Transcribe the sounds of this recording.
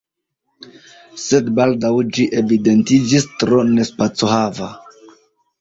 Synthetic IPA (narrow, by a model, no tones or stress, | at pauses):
se̞dbaldawd͡ʒiʔe̞vide̞ntid͡ʒistɾo̞ne̞spat͡soɦava